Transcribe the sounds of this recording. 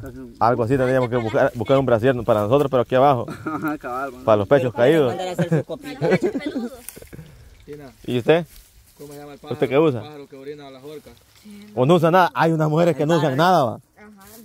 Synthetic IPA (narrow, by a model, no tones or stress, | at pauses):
alɡoas̬it̪end̪ɾijamoskeβukaɾbuskaɾumbɾas̬jeɾnopaɾanos̬o̞t̪ɾospeɾoakiaβaxo̰ | paɾalospet͡ʃoskaiðos | ḭust̪e | ust̪ekeus̬a | onous̬anaðaʔajunasmuxe̞ɾeskenous̬aŋnaðaβa̰